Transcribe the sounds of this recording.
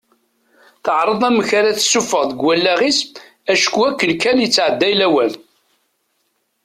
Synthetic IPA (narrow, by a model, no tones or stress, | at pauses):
θəʕɾˤəðˤæməçaɾæθsːufəʁðəɡwælːæʁis | æʃkuækːəlkæljət͡sːʕəd̪ːæjlæwæl